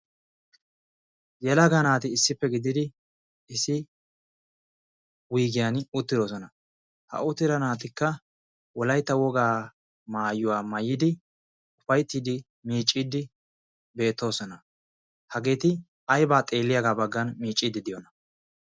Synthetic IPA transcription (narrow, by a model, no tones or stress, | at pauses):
jɛlɐɡɐnaːt̪ɪːsːɪpːɛɡɪd̪ɪd̪ɪ | ɪsɪ | wiːɡɪjanʊt̪ːɪd̪o̞ːsɔnɐ | hɐ̰ʊt̪ːɪɾɐnaːt̪̬ɪkːɐ | wɔlɐjt̪ːɐwɔɡaː | maːjʊwaːmɐjːɪd̪ɪ | ʊfɐjt̪ːid̪ɪ | miːt͡ʃʼːid̪ɪ | be̞ːt̪ːo̞ːsɔnɐ | hɐɡe̞ːt̪ɪ | ɐjbaːt̪ʼe̞ːlːɪjɐɡaːbɐɡːɐnmiːt͡ʃʼːid̪ːɪd̪ɪjɔnɐ